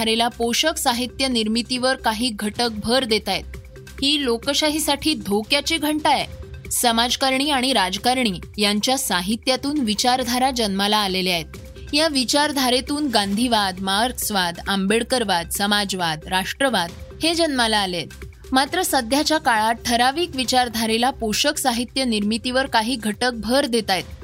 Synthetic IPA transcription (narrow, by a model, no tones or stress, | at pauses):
ɾelapoɕəksaɦit̪jəniɾmit̪iʋəɾkaɦiːɡʱəʈək̚bʱəɾd̪et̪ajet̪̚ | hiːlokəɕaɦisaʈʰiːd̪ʱokjat͡ɕiːɡʱəɳʈajesəmad͡zkaɾɳiːaɽ̃iɾad͡zkaɾɳ̃iːjaɲt͡ɕjasaɦit̪jat̪uːnʋit͡ɕaɾd̪ʱaɾad͡ʑənmalaːleliaɦet̪ | jaʋit͡ɕaɾd̪ʱaɾet̪uːnɡãnd̪ʱiʋad̪maɾksʋad̪ambeɽkəɾʋad̪səmad͡zʋad̪ɾaʂʈɾəʋad̪̚hed͡ʑənmalaːlet̪ | mat̪ɾəsəd̪ʱjat͡ɕjakaɭaʈʰəɾaʋiːkʋit͡ɕaɾd̪ʱaɾelapoɕəksaɦit̪jəniɾmit̪iʋəɾkaɦiːɡʱəʈək̚bʱəɾd̪et̪ajt̪